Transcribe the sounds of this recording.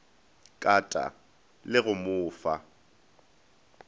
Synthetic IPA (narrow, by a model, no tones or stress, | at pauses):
kʼatʼa̰ | lɪɣʊmʊːfa̰